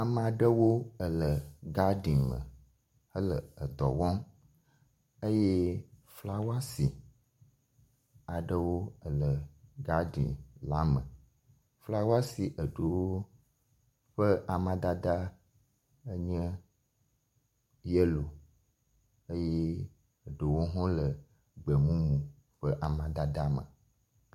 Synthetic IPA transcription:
a˨mã˨ɖə˦wo˦ə˨lə˨ɡa˦ɖĩ˨mə̰̃˨ | hə˦lə˨ə˨d̪ɔ̰˨wɔ̃˦m | ə˦je˦fla˦wa˦si˨ | a˨ɖə˦wo˦ə˨lə˨ɡa˦ɖḭ̃˨la˨˦mə̃˨ | fla˦wa˦si˨ʔə˨ɖo˨wo˦ | ɸə˦ʔa˨mã˦d̪a˦d̪a˦ | ə˦ɲɛ̃˦ | je˦lo˨ | ə˦je˦ | ə˨ɖo˨wo˦ɦɔ̃˦lə˨ | ɡ͡bə˨mũ˦mũ˨ | ɸə˦ʔa˨mã˨d̪a˦d̪a˦mə̰̃˨

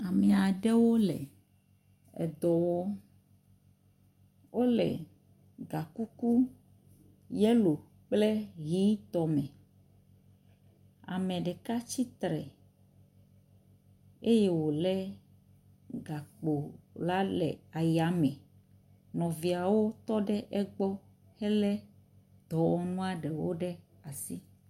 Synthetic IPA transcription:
a˨mɛ˨a˨ɖe˦wo˦lɛ̰˨ | ɛ̰˨d̪ɔ˨wɔ˦ | wo˦lɛ̰˨ | ɡa˨ku˦ku˦ | jɛ˦lo˨ | k͡plɛ˦ɣi˦t̪ɔ˨mɛ̃˨ | a̰˨mɛ̃˨ɖɛ˨ka˦t͡ɕi˦t̪ɾɛ̰˨ | e˦je˦wo˨lɛ˦ | ɡa˨k͡po˨la˦lɛ̰˨a˨ja˨mɛ̃˨ | nɔ̃˨vi˨a˨wo˦t̪ɔ˦ɖɛ˦ʔɛ˦ɡ͡bɔ˦ | hɛ˦lɛ˦ | d̪̥ɔ˨wɔ˨nũ˦a˦ɖɛ˨wo̰˦ɖɛ˦ | a˨si˦

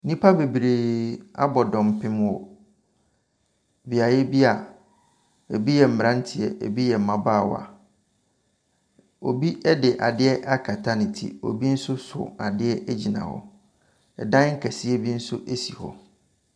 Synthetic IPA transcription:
nĩ˦pʰa˦be˨bɾe˨a̰˦bɔ˨dɔ̃˨m˨pʰɪ̃˦mwɔ˨ | bi˨a˨jɛ˦bi˦a˨ | e˨bi˦jɛ˨m̩˨m˨ɾã˦n̩˦tʰɪ˨ɛ˨ʔḛ˨bi˦jɛ˨mã˨baː˦˨wa̰˨ | o˨bi˦ɛ˦dɪ˨ʔa˨dɪ˦ɛ˦ʔa˦kʰa˨tʰa˦nɪ̃˨tʰḭ˨o̰˨bi˦n̩˦sʊ˦sʊ̰˨a˨dɪ˦ɛ˦ʔæ˦d͡ʑi˨nã̰˨hɔ̰˦ | ɛ˨dã˦ŋ˦ŋ̩˦kʰæ˨si˦ɛ˦bi˦n̩˦sʊ˦ʔe˦si˨hɔ̰˦

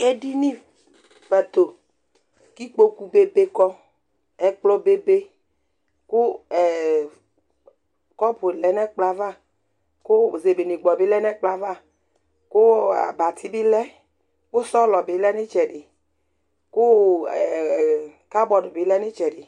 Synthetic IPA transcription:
e˦di˦nĩ˦ | fɛ˨t̪o˨ | ki˦k͡po˦ku˦be˦be˦kɔ˦ | ɛ˦k͡plɔ˦be˦be˦ | ko˦ɛ˨ | kɔ˦po˨lɛ˨˦nɛ˦k͡pla˦va˦ | ko˦ze˨be˨nĩ˨ɡ͡bɔ˨bi˦lɛ˦nɛ˦k͡pla˨va˦ | ko˦a̰˨ba˨t̪ʰi˦bi˦lɛ˦ | ko˦sɔ˦lɔ˨be˨˦lɛ˦ne˦t͡ʃɛ˨ɖi˨ | ko˦ɛ˨ | ka˦bɔ˨do˨be˨˦lɛ˦ne˦t͡ʃɛ˨ɖi˨

